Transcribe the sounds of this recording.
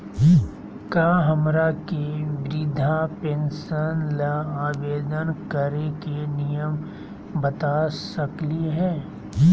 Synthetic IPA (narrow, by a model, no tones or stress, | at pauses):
kjaːɦɐmɾakiʋɾɪd̪ʱapeːnsənlaaːʋeːd̪ənkəɾekenijəm | bɐt̪asəkliɦɛː